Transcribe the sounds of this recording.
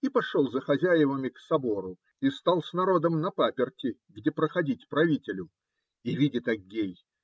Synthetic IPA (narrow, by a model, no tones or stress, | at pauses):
ipɐʂolˠzəxɐzʲæjɪvəmʲɪksɐbo̞ɾʊ | ist̪alˠsʲnɐɾo̞d̪əmnɐpapʲɪrtʲɪɡdʲe̞pɾəxɐdʲit̚ʲpɾɐvʲitʲɪlʲʊ | ivʲidʲɪt̪ɐɡʲːej